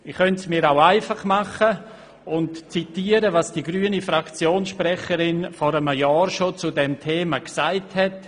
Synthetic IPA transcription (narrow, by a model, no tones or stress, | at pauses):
ɪχχœntsmiːɾaʊaɪfaχmɑχə | ʊntt͡sitiːəɾəvɑsd̥iɡɾyːənifɾakt͡sjoːnsʃprɛχəɾɪnfɔɾəməjɑːɾʃot͡sʊdɛmtʰeːmaksaɪthɛt